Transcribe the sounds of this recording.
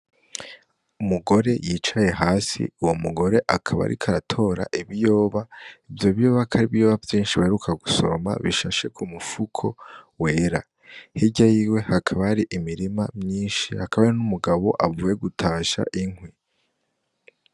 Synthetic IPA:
umuɡo̞ɾe̞jiːt͡ʃaje̞ɦaːsḭuwomuɡo̞ɾe̞ʔakʰaβa̰ɾʔḭkʰaɾatʰo̞ɾa̰ʔiβijo̞ːβaivjo̞βijo̞ːβakʰaɾiβijo̞ːβavjiːnʃiβaheɾukʰaɡuso̞̰ma̰βḭʃaʃe̞kʰumufukʰo̞̰we̞ːɾa̰ | hiɟajiːwe̞hakʰaβaaɾiʔimiɾimamɲiːnʃihakaβaɾinumuɡaβo̞ʔavuːje̞ɡutʰaːʃa̰ʔiŋwi

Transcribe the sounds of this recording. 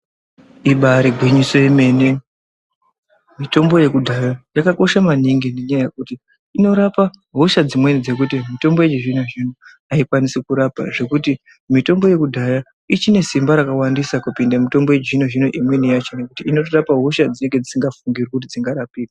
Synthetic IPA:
iɓaɾiɡʱwiɲiso̞ime̞ne̞ | mito̞mbo̞je̞kudʱajajakako̞ʃamaniŋɡine̞ɲajaje̞kutiː | no̞ɾapaɦoʃad͡zimwe̞nid͡ze̞k̬ut̬imito̞mbo̞jet͡ʃiʐinoʐino | aikwanisikuɾapa̰ʐe̞kuti | mito̞mbo̞je̞kudʱaja | it͡ʃine̞simbaɾakawandisakupindamito̞mbo̞jed͡ʒʐinoʐino̞ʔimwe̞nijat͡ʃo̞ne̞kutiino̞t̬orapaɦoʃad͡zine̞ŋɡed͡zisiŋɡafuŋɡirikut̬id͡ziŋɡaɾapiːd̚

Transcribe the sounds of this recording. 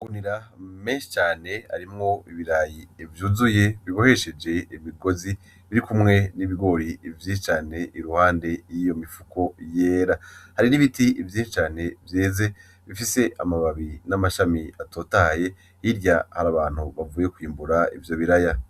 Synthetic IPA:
ɡuniɾameːnʃi̥t͡ʃaːne̞ha̰ɾimŋo̞iβiɾajiːvjuːzuje̞βiβo̞he̞ʃe̞d͡ʒe̞imiɡo̞zi | βiɾikumŋe̞niβiɡo̞ɾiːvjinʃit͡ʃaːne̞ʔiɾuhaːnde̞jijo̞mifuko̞je̞ːɾahaɾiniβitivjiːnʃit͡ʃaːne̞vje̞ːze̞ | βifise̞ʔamaβaβinamaʃamiatʰo̞ːtahaje̞ | hiɾɟahaɾaβaːn̥huβavuːje̞kwiːmbuɾaḭvjo̞βiɾaja

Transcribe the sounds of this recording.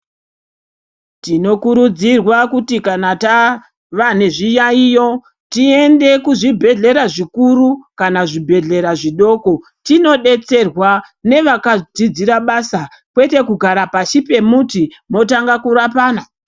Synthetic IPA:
tino̞kuɾud͡zirwakutikanata | ʋane̞ʐijaijo̞ | tie̞nde̞kuʐibʱe̞ɮe̞ɾaʐikuɾukanaʐibʱe̞ɮe̞ɾaʐiɗo̞ko̞ | tino̞ɗe̞t͡se̞rwane̞ʋakad͡zid͡ziɾaɓasa | kwe̞te̞kuɡʱaɾapaʃipe̞muti | mo̞taŋɡakuɾapaːna

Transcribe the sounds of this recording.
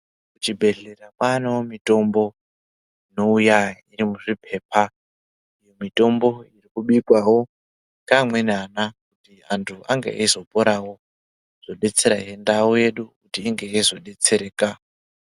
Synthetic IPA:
kut͡ʃibʱe̞ɮe̞rakwanewomito̞mbo̞ | ino̞ujairimuʐipʰe̞ːpʰa | ujo̞mito̞mbo̞irikuɓikwawo̞ | kamwe̞nanakutiantʰuʔaŋɡḛʔaizo̞po̞ɾawo̞ | z̥o̞ɗe̞t͡se̞ɾaɦendaoje̞ɗukutiːŋɡeizo̞ɗe̞t͡se̞ɾe̞ːka

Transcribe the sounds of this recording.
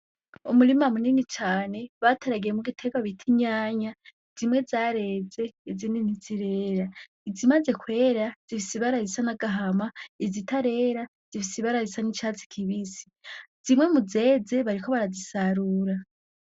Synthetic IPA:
umuɾimamuninit͡ʃaːne̞βatʰaɾaɡiɾemuɡitʰekaβitʰiɲaːɲa | z̥imwe̞zaːɾe̞ːze̞izininiziɾe̞ːɾa | izimaze̞kwe̞ːɾaz̥iβisiβaɾaɾisanaɡaɦamaizitʰaɾe̞ɾa | z̥iβisiβaɾaɾisanit͡ʃat͡si̥kʰiβisi̥z̥imwe̞muze̞ːze̞βaɾikʰo̞βaɾazisaɾuːɾa

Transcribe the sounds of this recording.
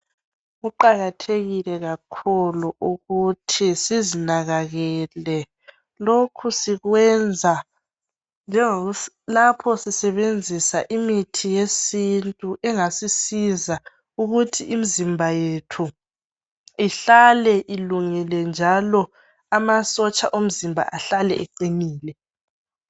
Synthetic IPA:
ɣuǃaɣatʰeɣilɛɣakʰuluuɣutʰisizinaɣaɣɛːlɛ | lokʰusiɣwɛnd͡zʱa | nd͡ʒʱɛŋoɣ | lapʰɔsisɛβend͡zʱisaʔimitʰijesintʼuʔɛŋasisiza | uɣutʰiʔimizimbʱajetʰu | iɬalɛʔiluŋilɛnd͡ʒʱalɔ | amasɔt͡ʃʼa̰ʔom̩zimbʱa̰ʔaɬalɛ̰ʔɛǀimiːlɛ

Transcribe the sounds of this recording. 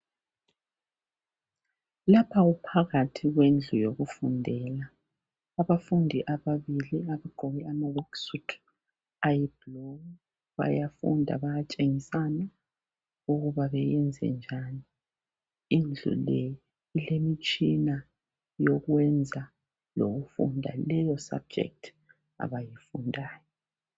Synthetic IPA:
lapʰaupʰaɣatʰiɣwend͡ɮʱujoɣufundʱɛlaː | βafundʱiʔaβaβiliaβaɡ̥ʱoɣɛamawɔksutʰ | ajib̥lo | βa̰jafṵndʱa̰βajat͡ʃʼeŋisana | uɣuβaβɛjɛnd͡zʱɛ̰nd͡ʒʱani | ind͡ɮʱṵlɛ | ilemit͡ʃʼina | joɣwɛnd͡zʱa | loɣufṵndʱa̰lɛjɔsa̰b̚d͡ʒʱɛ̰k̚tʰ | a̰βajifundʱaːjɔ

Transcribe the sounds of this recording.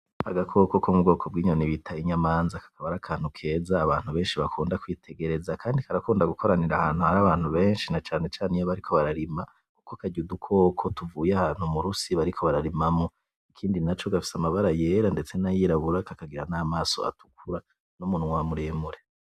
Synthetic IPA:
ha̰ɡakʰo̞kokʰomubɡo̞ːkʰo̞b̚ɡiːɲoniβitʰaiɲamaːnzakḁkʰaβaɾakʰaːn̥hukʰe̞ːzaːβaːn̥huβe̞ːnʃiβakʰuːndakwiːtʰe̞ɡe̞ɾe̞zakʰaːndikʰaɾakuːndaɡukʰo̞ɾaniɾahaːn̥huhaɾaβaːn̥huβe̞ːnʃinat͡ʃaːne̞t͡ʃaːnijaβaɾikʰo̞βaɾaɾima | kukokaɟudukʰo̞ːkʰo̞tuvuːjahaːn̥humuɾusiβaɾikʰo̞βaɾaɾimamo | ikʰiːndinat͡ʃo̞ɡafi̥samaβaɾaje̞ɾande̞t͡se̞najiːɾaβuɾakakaɡiɾanaːmaːso̞̰a̰tu̥kʰuɾa | numunuŋwamuɾeːmuɾe

